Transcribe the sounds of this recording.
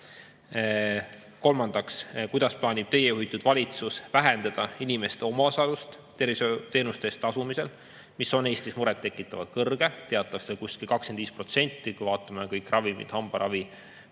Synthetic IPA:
ko̞lmɑnd̪̥ɑkskujd̪̥ɑsplɑːnʲib̥t̪e̞jejujt̪ːˑud̪̥vɑlʲit̪susvæɦɛnd̪̥ɑd̪̥ɑinʲime̞st̪eo̞mɑosɑlust̪ | t̪e̞rviset̪e̞ːnust̪est̪ɑsumise̞l | miso̞ne̞ːsʲt̪ismuɾɛt̪ːe̞kːˑit̪ːˑɑvɑd̪̥̚kɤrɡ̥e̞t̪e̞ɑt̪ːˑɑkselkuskilkɑkskend̪viːspro̞t̪se̞nʲt̪ːˑikujvɑːt̪ːˑɑmekɤjkːˑrʔɑvimḭd̪̥hɑmb̥ɑɾʔɑvi

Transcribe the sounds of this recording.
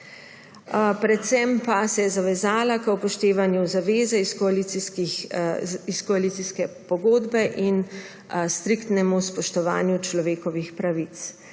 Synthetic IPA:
pɾɛt̪sɛmpasɛjɛzaʋɛzaːlakəupɔʃt̪eːʋanjuzaʋeːzɛiskɔalit̪iski | iskɔalit̪siskɛpɔɡoːd̪bɛʔin | st̪ɾikt̪nɛmuspɔʃt̪ɔʋa̰ːnjut͡ʃlɔʋeːkɔʋixpɾaʋit̪s

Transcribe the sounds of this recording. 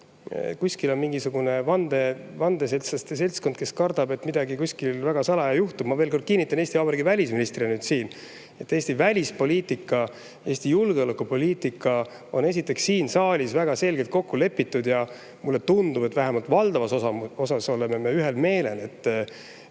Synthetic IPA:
kusʲkilo̞nmiŋɡisuɡ̥une̞vɑnd̪̥e̞vɑnd̪e̞selt̪sɑst̪ese̞lskod̪̥̚ke̞skɑrd̪̥ɑbe̞t̪ːmid̪ɑɡikuskilvæɡɑsɑlɑjɑjuht̪ub̥mɑve̞ːlko̞rd̪̥̚kinːit̪ːˑɑneːsʲt̪iɑːbɾiɡivælʲisminist̪riɑnyːd̪̥siːn | e̞t̪ːˑe̞ːsʲt̪ivælʲispo̞lʲiːt̪ikːˑɑ | e̞ːsʲt̪ijulɡ̥eolekːupo̞liːt̪ikːˑɑ | o̞ne̞sit̪ːˑe̞ksːiːnsɑːlʲisvæɡ̥ɑse̞lʲɡ̥elt̪̚ko̞kːule̞pːit̪ːˑud̪jɑ | mulːe̞t̪und̪ub̥e̞t̪ːvæɦæmɑlt̪vɑld̪ɑvɑsoɑo̞sɑso̞lememeyɦe̞lme̞ːle̞ne̞t̪ː

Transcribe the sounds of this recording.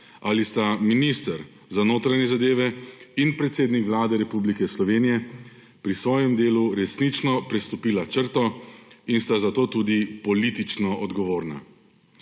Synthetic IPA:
alist̪aminist̪əɾ | zanoːt̪ɾajɲɛzad̪eːʋɛinpɾɛt̪seːd̪nikʋlaːd̪ɛɾɛpublikɛslɔʋeːnijɛ | pɾisʋɔːjɛmd̪eːluɾɛsnit͡ʃnɔpɾɛst̪ɔpiːlat͡ʃəɾt̪ɔinst̪azat̪oːt̪uːd̪ipɔlit̪it͡ʃnɔɔd̪ɡɔʋoːɾna̰

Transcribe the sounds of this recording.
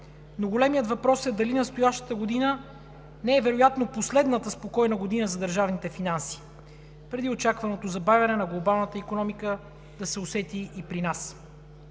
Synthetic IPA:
noɡolɛmijət̪vɐpɾɔsɛd̪ɐlinɐst̪ojaʃt̪ə̥t̪əɡod̪inə | nɛːvɛɾojat̪noposlɛd̪nət̪əspokɔjnɐɡod̪inəzɐd̪əɾʒavnit̪ɛfinansi̥ | pɾɛd̪iot͡ʃakvɐnot̪ozɐbavʲɐnɛnɐɡlˠobalˠnət̪əikonɔmikə | d̪̥ɐsɛosɛt̪iːpɾinas

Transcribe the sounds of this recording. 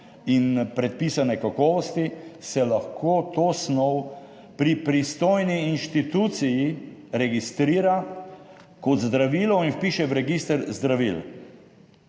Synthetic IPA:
inpɾɛt̪̚piːsanɛkakɔːʋɔst̪isɛlaxkʰoːt̪oːsnɔw | pɾipɾist̪oːjniːnʃt̪it̪uːt̪sijiɾɛɡist̪ɾiːɾa | kɔd̪zd̪ɾaʋiːlɔinwpiːʃɛʋɾɛɡiːst̪əɾzd̪ɾaʋḭl

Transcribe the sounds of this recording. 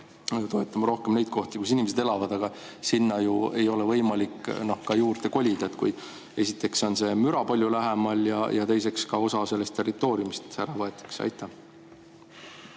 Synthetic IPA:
t̪o̞e̞t̪ːˑɑmɑɾo̞hkemne̞jd̪̚ko̞ht̪ikus̬inʲimes̬ed̪e̞lɑvɑd̪̥ɑɡ̥ɑ | sinːɑjue̞jo̞levɤ̞jmɑlikːno̞hkɑjuːrt̪e̞ko̞lʲid̪ɑet̪ːkuj | e̞sit̪ːˑe̞kso̞nse̞myɾɑpɑlʲjulæɦemɑljɑjɑ̰t̪e̞jse̞kskɑo̞sɑse̞lːe̞st̪ːe̞rit̪ːˑo̞ːɾijumist̪æɾɑvɑe̞t̪ːˑe̥ksɑ̰jt̪ːˑæh

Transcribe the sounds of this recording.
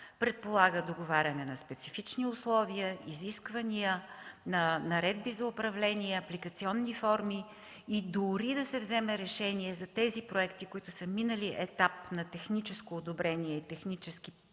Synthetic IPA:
pɾɛt̪̚polˠaɡəd̪oɡovaɾʲɐnɛnɐspɛt̪sifit͡ʃniʊslˠɔviəiziskvəniənɐnɐɾɛd̪bizɐʊpɾɐvlɛniɛɐplikət̪siɔnːifɔɾmi | id̪ʊɾid̪ɐsɛvzɛmɛɾɛʃɛniɛzɐt̪ɛzipɾoɛkt̪ikʊit̪ʊsəminəliʔɛt̪apnɐt̪ɛxnit͡ʃɛskoːd̪obɾɛniɛit̪ɛxnit͡ʃɛsk̟i

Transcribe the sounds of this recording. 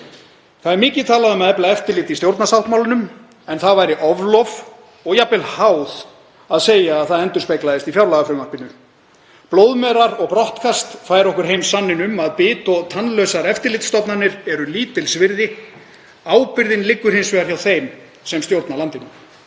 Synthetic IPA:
θaðɛɾmɪːcɪt̪ʰaːlaðʏmɛðɛplaɛft̪ɪɾlɪt̪ist̪jowɾt̪nasawht̪mawlɪnʏm | ɛnθaðvajɾɪʔɔvlɔv | ɔɣjapɪlhaːwð̥ | aðseːjaːðθaðɛnt̪ʏɾ̥spejklaðɪst̪ifjawlaɣafɾʏmahpɪnːʏ | ploːwðmɛːɾaɾɔɣpɾɔht̪kʰast̪faːjɾɔhkʏɾ̥ɦejmsanːɪnʏmaðpɪːt̪ɔt̪ʰanlœɥsaɾɛft̪ɪɾlɪt̪st̪ɔpnanɪɾɛɾʏliːt̪ɪlsvɪɾðɪ | aːwpɪɾðɪnlɪkːʏɾ̥hejnsvɛɣaɾçjawθejm | sɛmst̪jowɾt̪nalant̪ɪnʏm

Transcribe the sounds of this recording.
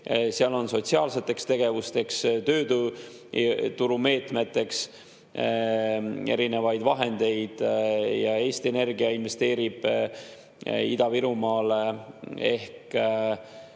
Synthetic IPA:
seɑlo̞nso̞t̪siɑːlse̞t̪ːˑe̞kst̪e̞ɡ̥e̞vust̪e̞kst̪ø̞ːd̪u | t̪uɾume̞ːt̪me̞t̪ːˑe̞ks | e̞̰ɾine̞vɑjd̪vɑɦe̞nd̪̥e̞jd̪̥jɑe̞ːst̪iene̞rɡiɑinve̞st̪e̞ːɾib̥ | ḭd̪ɑviɾumɑːlee̞hk

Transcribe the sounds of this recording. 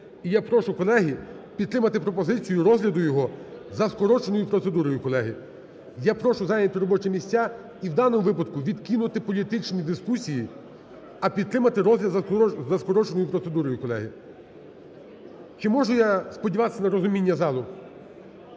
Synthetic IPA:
ijapɾɔʃʊkɔlˠɛɦi | pʲid̪t̪ɾɪmɐt̪ɪpɾɔpɔzɪt͡sʲijʊɾɔzɦlʲɐd̪ʊjɔɦɔzɐskɔɾɔt͡ʃenɔjʊpɾɔt̪sed̪uɾɔjʊkɔlˠɛɦɪ | japɾɔʃʊzɑjnʲɐt̪ɪɾɔbɔt͡ʃɛmʲisʲtʲːa | iwd̪ɑnɔmʊʋɪpɐd̪kʊʋʲid̪kinʊt̪ɪpɔlʲit̪ɪt͡ʃnʲid̪ɪskusʲiji | ɐpʲid̪t̪ɾɪmɐt̪ɪɾɔzɦlʲɐzɐskɔɾɔt͡ʃenɔjʊpɾɔt̪sed̪uɾɔjʊkɔlˠɛ̰ɦɪ | t͡ʃɪmɔʒʊjaspɔdʲiʋɑt̪e̥sʲɐnɐɾɔzʊmʲinʲːɐzɑlˠʊ

